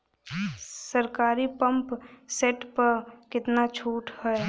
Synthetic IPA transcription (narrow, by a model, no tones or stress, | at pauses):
səɾkaːɾipə̃mpseʈpəɾkɪt̪nat͡ʃʰuːʈhɛe